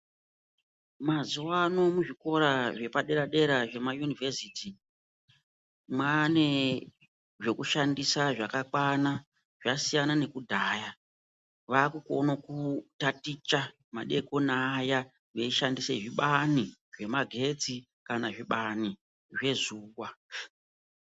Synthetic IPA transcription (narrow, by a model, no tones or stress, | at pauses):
mazuwano̞muʐiko̞ɾaʐe̞paɗe̞ɾaɗe̞ɾaʐe̞majunivesiti | mwane̞ | ʐe̞kuʃandisaʐakakwana | ʐ̥asijanane̞kudʱaːja | ʋaːkuko̞̰nokutatit͡ʃa | maɗe̞ko̞naːja | ʋeiʃandiseʐiɓaniʐe̞maɡʱe̞d͡zi | kanaʐiɓani | ʐe̞zuːwwa